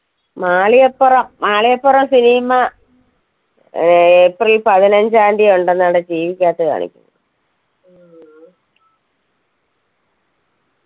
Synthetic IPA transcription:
maːɭijɐpːurɐmːaːɭijɐpːurɐmsinimɐ | eprilpɐðinɐɲd͡ʑaːnɖijoɳɖenːaːɽed͡ʑiːʋikʲːaːt̪ːɐka̰ːɳḭkʲːṵnːɐ

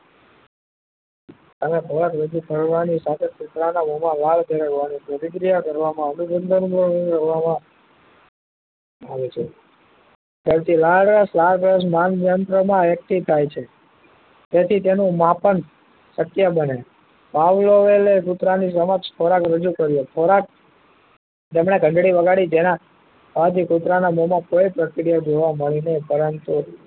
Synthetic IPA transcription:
t̪əmekʰoɾakɾəd͡ʒukəɾʋanisat̪ʰekut̪ɾanamomãlaɭd̪ʱeɾəkʋanipɾət̪iɡɾijakəɾʋamãənuɡənd̪ʱənbəɾiɾəɾʋamã | aʋet͡ʃʰe | k̪əɾt̪ilaɭɖɾəslaɭɾəs̬manʋjənt̪ɾəmãʋjək̚t̪it̪ʰajt͡ʃʰe | t̪et̪ʰit̪enũmapən | səkːjabəne | paʋloʋelekut̪ɾanis̬əməkʃfʰoɾakɾəd͡ʒukəɾjopʰoɾak̚ | t̪emɳeɡʱə̃ɳɖɽiʋəɡaɽid͡ʒena | pad̪ikut̪ɾanamomãkoepɾəkɾijad͡ʒoʋaməɭinəipəɾənt̪u

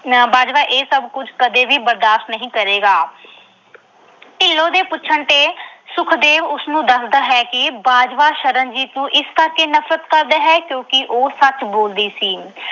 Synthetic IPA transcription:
baːd͡ʒʋaːʔeːsəbkʊd͡ʒkəd̪eːʋiːbəɾd̪aːʃt̪nəɦĩːkəɾeːɡaː | ʈɪlːõːd̪eːpʊtːʃʰəɳt̪eːsʊkʰd̪eːʋʊsnũːd̪əsd̪aːɦɛːkɪbaːd͡ʒʋaːʃəɾənd͡ʒiːt̪nũːʔɪskəɾkeːnəfɾət̪kəɾd̪aːɦɛːkjõːkɪʔoːsət͡ʃboːld̪iːsiː

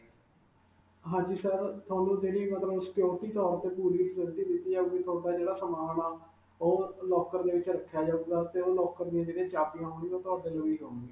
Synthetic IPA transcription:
ɦãːɲd͡ʒiːsəɾt̪ʰʊwaːnũːd͡ʒeːɽiːmət̪ləbskjoːt̪iːt̪ɔːɾt̪eːpuːɾiːpʰzənt̪iːd̪ɪt̪ːiːd͡ʒaːbiːt̪ʰʊaːd̪aːd͡ʒeːɽaːsəmaːnaː | oːlɔːkəɾd̪eːʋɪt͡ʃɾəkʰːjaːd͡ʒaːɡd̪aːt̪eːoːlɔːkəɾd̪iãd͡ʒeːɽẽt͡ʃaːpiːãɦoːniːoːt̪ʊaːd̪eːd͡ʒoːiːɦoːnɡi

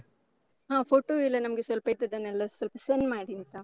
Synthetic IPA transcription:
ãːfoːʈːoːɪlɐnɐmɐkːɯsɔlpɐjt̪ːɐðɐnɛlːɐsɔlpɐsɛnmaːɽint̪ãː

